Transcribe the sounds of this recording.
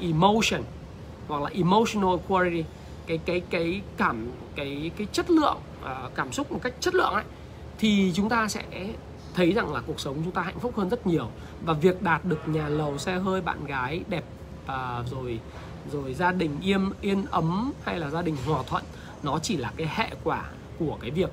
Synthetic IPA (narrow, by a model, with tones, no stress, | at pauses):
ʔi˨˩mo˧wsə˨˩n | hwa˨˩k̚laː˨˩ʔi˨˩mo˧wsi˧nə˧lkʰwa˧li˧ti˧ | kaː˨˦jkaː˨˦jkaː˨˦jkaː˧˩m | kaː˨˦jkaː˨˦jt͡ɕə˦˥t̚lɨ̰˧˨əŋʔəː˨˩kaː˧˩msʊ˦˥k͡p̚mo˨˩t̚ka˦˥jk̟̚t͡ɕə˦˥t̚lɨ̰˧˨əŋʔa̰˧˨j | t̪ʰi˨˩t͡ɕʊ˨˦ŋ͡mt̪aː˧sɛ̰˧˥ | t̪ʰə˨˦jza˨˩ŋlaː˨˩ku˨˩ək̚sə˨˦wŋ͡mt͡ɕʊ˨˦ŋ͡mt̪aː˧ha̰˧˨jŋ̟fʊ˦˥k͡p̚həː˧nzə˦˥t̚ɲi˨˩əw | vaː˨˩vi˨˩ək̚ɗaː˨˩t̚ɗɨ˨˩ək̚ɲaː˨˩lə˨˩wsɛ˧ɦəː˧jɓa̰ː˧˨nɣaː˨˦jɗɛ˨˩p̚ː | zo˨˩j | zo˨˩jzaː˧ɗï˨˩ŋ̟ʔi˧əmʔi˧ənʔə˨˦mha˧jlaː˨˩zaː˧ɗï˨˩ŋ̟ɦwaː˨˩t̪ʰwə̰˧˨nː | ɔ˨˦t͡ɕi˧˩laː˨˩kaː˨˦jhḛ˧˨kwaː˧˩ | ku˧˩əkaː˨˦jvi˨˩ək̚